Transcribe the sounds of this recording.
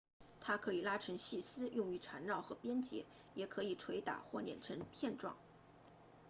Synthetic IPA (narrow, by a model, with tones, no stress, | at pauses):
t̪ʰa˥kʰɤ˧˥i˨˩la˥ʈ͡ʂʰɤ˧˥ŋɕi˥˩sɹ̩˥jʊ˥˧ŋy˧˥ʈ͡ʂʰa˧˥nɻɑ˥˩ʊxɤ˧˥pjɛ˥nt͡ɕjɛ̰˧˥ | jɛ˨˩kʰɤ˧˥i˨˩ʈ͡ʂʰwe˧˥ɪt̪a̰˨˩xwɔ˥˩ljɛ̰˨˩nʈ͡ʂʰɤ˧˥ŋpʰjɛ˥˧nʈ͡ʂwɑ̰˥˩ŋ